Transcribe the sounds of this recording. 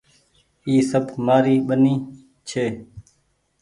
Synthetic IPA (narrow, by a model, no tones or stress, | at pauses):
iːsəbmaːɾiːɓəniː | t͡ʃʰeː